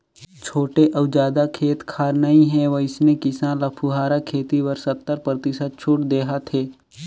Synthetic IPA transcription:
t͡ʃʰoːʈeʔɐʋd͡ʒaːd̪akʰeːt̪kʰaːɾnɐɦĩɦɛ̃ʋɐɪsnekɪsãːlɐpʰuɦaːɾakʰeːt̪iʋɐɾsɐt̪ːəɾpɾɐt̪ɪsət̪̚t͡ʃʰʊːʈd̪eːɦat̪ʰeː

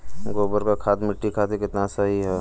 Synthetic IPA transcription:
ɡoːbəɾkakʰat̪mɪʈːikʰat̪ikɪt̪nasəɦiɦɛ

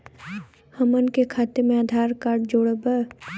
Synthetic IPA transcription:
həmənkekʰaːt̪emẽaːd̪ʱaːɾkaːɾɖd͡ʒoːɽəbə

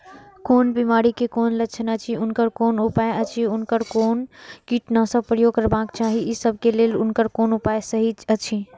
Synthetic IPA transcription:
koːnbimaːɾikekoːnlət͡ʃʰənət͡ʃʰiʊnkəɾkoːnupaeət͡ʃʰiʊnkəɾkoːnkiʈnasə̃pɾəjoɡ̚kəɾbakt͡ʃaːɦiisəb̚ʱkeleːlʊnkəɾkonʊpaesəɦid͡ʒət͡ʃʰi

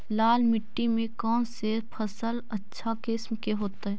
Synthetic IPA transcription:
laːlmɪʈːimẽkɔːnseːɾpʰəsələtːʃʰakɪsmkeɦoːt̪aɦɛː

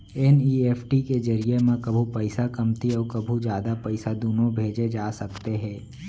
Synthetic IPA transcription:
ɛniːeːpʰʈiked͡ʒɐɾiemẽkɐbʱupɛɪsakɐmt̪iɔːɾkɐbʱud͡ʒjaːd̪apɛɪsad̪uːnobʱeːd͡ʒed͡ʒaːsɐkt̪eɦɛ̃ː

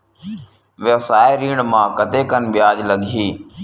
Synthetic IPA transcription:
ʋesaːeɾiːɳmãːkət̪eːkənɓɪjaːd͡ʒləɡʱiː

